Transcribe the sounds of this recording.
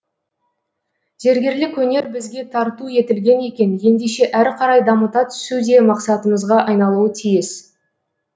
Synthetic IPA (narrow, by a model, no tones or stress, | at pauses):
ʒ̥e̞ɾɡʲe̞ɾlɪkwɵne̞ɾbɪzɡʲe̞t̪ʰɑɾt̪uje̞t̪ɪlɡʲe̞ne̞kʲe̞nje̞nd̪eʃe̞ʔæɾqʰɑɾɑjd̪ɑmət̪ɑt̪ʰʏ̥sud̪e̞mɑqsɑt̪əməzʁɑʔɑjnɑlˠuət̪ʰijɪs